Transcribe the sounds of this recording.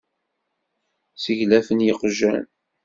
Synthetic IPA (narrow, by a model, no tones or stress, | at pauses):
səʝlæfənjəqʒæn